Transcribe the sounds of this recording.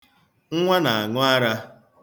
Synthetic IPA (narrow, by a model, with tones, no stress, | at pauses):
ŋ̩˦ŋʷa˦na˨a˨ŋʊ˦a˦ɾa˦